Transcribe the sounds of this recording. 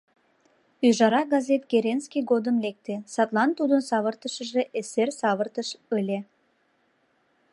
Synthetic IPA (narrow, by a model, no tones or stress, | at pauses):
yʒɑɾɑɡɑzet̪keɾenskijɡod̪əmlek̚t̪esɑt̪lɑnt̪ud̪ənsɑβərt̪əʃəʒeʔesersɑβərt̪əʃølʲe